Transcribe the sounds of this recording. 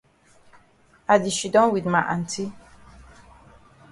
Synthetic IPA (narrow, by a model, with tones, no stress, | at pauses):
a˨di˨ʃi˨dɔ̃˦nwi˨d̪ma˨ʔa̰˨n˨tʰi˦